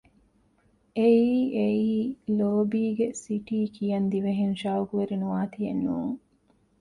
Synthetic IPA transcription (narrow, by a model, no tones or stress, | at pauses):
ʔeiiːeiːloːbiːɡesiʈiːkʰijɐnd̪iʋeɦenʃaːuɡuʋeɾinuʋaːt̪ijɐnːṵːŋ